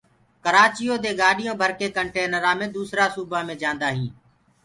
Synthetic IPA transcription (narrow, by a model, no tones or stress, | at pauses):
kəɾaːt͡ʃɪjoːd̪eːɡaːɗɪjõːbʱəɾkeːkəɳʈeːnəɾãːmẽːd̪uːsɾaːsuːbaːmẽːd͡ʒãːnd̪aːɦĩː